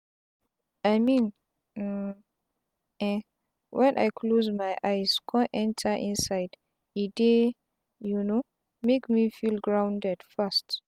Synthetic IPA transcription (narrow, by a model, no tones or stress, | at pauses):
ajmĩn | ɛ̃ | wʔɛ̃nʔa̰jkʰlozmajʔajskʰɔ̃ʔɛ̃ntʰaʔḭ̃nsajd | ide | juno | mekmifilɡɹãwndɛdfast